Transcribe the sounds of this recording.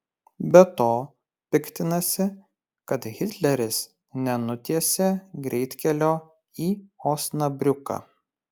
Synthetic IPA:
bʲɛt̪oː | pʲɪkt̪ʲɪnɐsʲɪ | kɐt̪ɣʲɪt̪ʲlʲɛɾʲɪs | nʲɛnʊt̪ʲiɛsʲeːɡɾʲɛɪt̪ʲkʲɛlʲoː | iːɔːsnɐbʲɾʲʊkɑ̰

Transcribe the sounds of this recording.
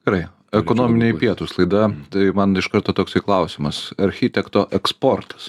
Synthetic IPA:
d̥ʲɛɾɐɪ | ɛkoːnoːmʲɪnʲeːpʲiɛt̪uːslˠɐɪd̪ɐt̪ɐɪmɐnɪʃkɐɾt̪oːt̪oːksɐɪklˠɐʊsʲɪmɐsɐɾʲxʲɪt̪ʲɛkt̪oːʔɛkspoːɾt̪ɐ̥s

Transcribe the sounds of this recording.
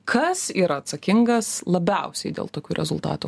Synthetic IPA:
kʰɐsiːɾɐːt̪sɐkʲɪŋɡɐslˠɐbʲɛʊsʲɛɪd̪ʲḛːlˠt̪oːkʲuːɾʲʔɛ̰zʊlˠt̪ɑ̰ːt̪ṵː

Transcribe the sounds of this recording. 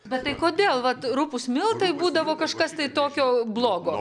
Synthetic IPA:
bʲɛtt̪ɐɪkoːd̪ʲeːlˠʋɐt̪ɾʊpʊsmʲɪlˠt̪ɐɪbuːd̪ɐʋoːkɐʃkɐst̪ɐɪt̪oːkʲoːblˠoːɡoː

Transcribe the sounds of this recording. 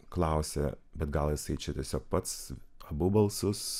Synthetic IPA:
klˠɐʊsʲɛ | bʲɛt̪ɡɐlˠjɪsɐɪt͡ʃʲɛt̪ʲiɛsʲoːk̚pɐt̪sɐbʊbɐlˠsʊs

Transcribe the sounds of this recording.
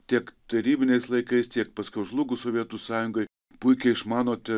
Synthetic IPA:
t̪ʲiɛkt̪ɐɾʲiːbʲɪnʲɛɪslˠɐɪkɐɪst̪ʲiɛkpɐsʲkʲɛʊʒlˠʊɡʊsoːʋʲiɛt̪usɑːjʊŋɡoɪ | pʊɪkʲɛɪɪʃmɑːnoːt̪ʲɛ

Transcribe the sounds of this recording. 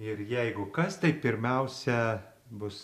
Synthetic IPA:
ɪɾjɛɪɡʊkɐst̪ɐɪpʲɪɾʲmʲɛʊsʲɛ | bʊs

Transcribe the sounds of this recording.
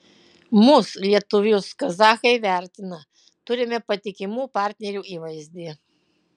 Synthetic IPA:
mʊslʲiɛt̪ʊʋʲʊskɐzɑːxɐɪʋʲæˑɾʲt̪ʲɪnɐ | t̪ʊɾʲɪmʲɛpɐt̪ʲɪkʲɪmuːpɑːˑɾʲt̪ʲnʲɛɾʲuːʔiːʋɐɪzʲd̪ʲiː

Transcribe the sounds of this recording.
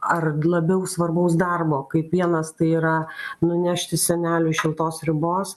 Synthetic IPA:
ɐrlˠɐbʲɛʊsʋɐrbɐʊsd̪ɐrboːkɐɪpʋʲiɛnɐst̪ɐɪiːɾɐnʊnʲæːʃʲt̪ʲɪsʲɛnʲæːlʲʊʃʲɪlˠt̪oːsɾʲɪboːs

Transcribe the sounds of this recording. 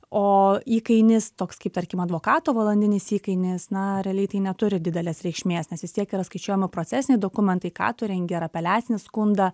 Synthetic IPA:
oːiːkɐɪnʲɪst̪oːkskɐɪpt̪ɐɾʲkʲɪmɐd̪ʋoːkɑːt̪oːʋɐlˠɐnʲd̪ʲɪnʲɪsiːkɐɪnʲɪsnɐɾʲɛɐlʲɛɪt̪ɐɪnʲɛt̪ʊɾʲɪd̪ʲɪd̪ʲɛlʲeːsɾʲɛɪkʃʲmʲeːsnʲɛsʋʲɪst̪ʲiɛkiɾɐskɐɪt͡ʃʲuɔjɛmʲɪpɾoːt̪sʲæsʲɪnʲɛɪd̪oːkʊmʲɛnt̪ɐɪkɑ̰ːt̪ʊɾʲɛŋʲɡʲɛɾɐpʲɛlʲæːsʲɪnʲɪskʊnd̪ɐ

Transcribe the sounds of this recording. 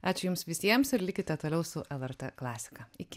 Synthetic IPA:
ɑːt͡ʃʲʊjʊmsʋʲɪsʲiɛmsɪɾlʲɪkʲɪt̪ʲɛt̪oːlʲɛʊsʊʔɛlˠɛɾt̪ʲɛklˠɑːsʲɪ̥kɑɪkʲɪ

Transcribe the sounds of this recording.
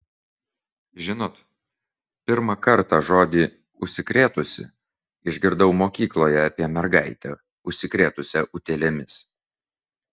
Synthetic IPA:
ʒʲɪnoːt̪ | pʲɪɾmɐkɐɾt̪ɑʒoːd̪ʲiː | ʊʃʲsʲɪkɾʲeːt̪ʊsʲɪ̰ | ɪʒʲɡʲɪɾd̪ɐʊmoːkʲiːklˠoːjɛɑpʲiɛmʲɛɾɡɐˑɪt̪ʲɛ | ʊʃʲsʲɪkɾʲeːt̪ʊsʲɛʔʊt̪ʲeːlʲemʲɪs

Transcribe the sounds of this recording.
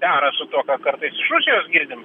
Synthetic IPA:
d̪ʲæːɾɐsʊt̪uɔkɐkɐɾt̪ɐɪsɪʃɾusʲɪjoːsɡʲɪɾʲd̪ʲɪm

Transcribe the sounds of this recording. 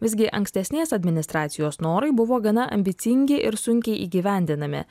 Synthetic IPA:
ʋʲɪzʲɡʲɪʔɐ̰ŋksʲt̪ʲɛsʲnʲeɛsɐd̪ʲmʲɪnʲɪst̪ɾɑːt̪sʲɪjoːsnoːɾɐɪbʊʋoːɡɐnɐʔɐ̰mʲbʲɪt̪sʲɪŋʲɡʲɪʔɪɾsʊŋʲkʲɛɪʔiːɡʲiʋʲæˑnʲd̪ʲɪnɐmʲɪ̰

